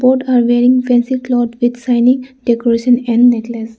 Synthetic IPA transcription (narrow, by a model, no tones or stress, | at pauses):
boːɾɖaːɾʋeːɾɪ̃ŋfɛ̃nsiklɔːɖʋɪd̪sãɪnɪ̃ŋɖekoɾeʃə̃nɛ̃ɳɖneʈles